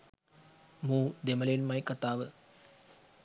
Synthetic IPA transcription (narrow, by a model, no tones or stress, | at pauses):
muːd̪emɐlenmaɐjkat̪aːʋə